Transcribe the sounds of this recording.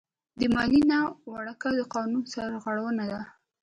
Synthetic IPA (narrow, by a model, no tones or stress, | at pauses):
d̪əmɑlinawaɽakad̪əqɑnunsaɾɣaɽawənad̪a